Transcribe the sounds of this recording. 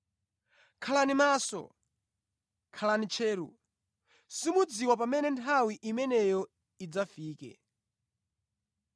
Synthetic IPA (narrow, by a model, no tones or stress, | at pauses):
kʰalanimaːsɔ̰ | kʰalanit͡ʃʰɛːɾṵ | simud͡ziwap̬amɛnɛntʰawiʔimɛnɛjɔ | id͡zafiːkɛ̰